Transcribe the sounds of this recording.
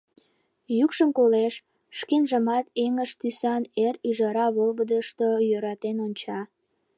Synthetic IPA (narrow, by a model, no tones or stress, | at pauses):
jykʃəmkoleʃ | ʃkenʒəmɑt̪eŋəʃt̪ysɑneryʒɑɾɑβolɣəd̪əʃt̪ojøɾɑt̪enonʲt͡ɕɑ